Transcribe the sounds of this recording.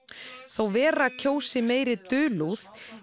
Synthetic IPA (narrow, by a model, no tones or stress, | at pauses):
θawvɛːɾacʰoːwsɪmeːjɾɪt̪ʏːluθ